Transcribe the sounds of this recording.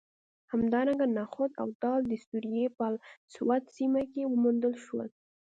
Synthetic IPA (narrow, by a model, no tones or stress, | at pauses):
hamd̪ɑɾaŋɡanaxʊt̪a̰wt̪ɑld̪əst̪uɾijepalswat̪simakewəmund̪əlʃwə̰l